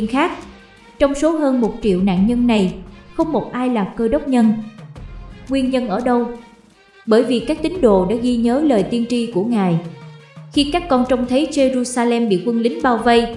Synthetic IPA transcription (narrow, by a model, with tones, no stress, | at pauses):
nxaː˦˥k̚ | t͡ɕɔ˧wŋ͡mso˨˦ɦəː˧nmo˨˩t̚t͡ɕḭ˧˨əwna̰ː˧˨nɲə˧nːa˨˩jxə˧wŋ͡mmo˨˩t̚ʔaː˧jlaː˨˩kəː˧ɗə˦˥wk͡p̚ɲə˧n | ŋwi˧ənɲə˧nʔəː˧˩ɗə˧w | ɓəː˧˩jvi˨˩kaː˦˥k̚t̪ï˨˦ŋ̟ɗo̰˧˨ɗa̰ː˧˥ɣi˧ɲəː˨˦ləː˨˩jt̪i˧ənt͡ɕi˧ku˧˩əŋaː˨˩j | xi˧kaː˦˥kːɔ˧nt͡ɕɔ˧wŋ͡mt̪ʰə˨˦jt͡ɕe˧zu˧saː˧lɛ˧mɓḭ˧˨kwə˧nlï˨˦ŋ̟ɓaː˧wvə˧j